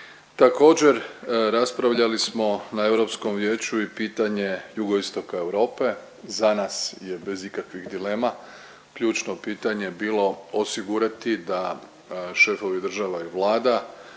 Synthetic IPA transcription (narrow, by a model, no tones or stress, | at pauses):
t̪ako̞ːd͡ʑe̞ɾɾaspɾaʋʎalismo̞nae̞ʋɾo̞psko̞mʋje̞ːt͡ɕuipiːt̪aɲe̞juɡo̞ist̪o̞kae̞ʋɾo̞ːpe̞ | zanasje̞be̞zikakʋiɣd̪ile̞ːma | kʎuːt͡ʃno̞piːt̪aɲebiːlo̞osiɡuɾat̪id̪a | ʃe̞fo̞ʋid̪r̩ʒaʋaiʋlˠaːd̪a